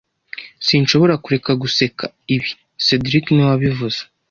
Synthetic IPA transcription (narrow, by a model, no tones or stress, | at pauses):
sinʃo̞βo̞ɾakuɾe̞kaɡuse̞kʰa | iβi | sedɾikniwaβivuz̥e̥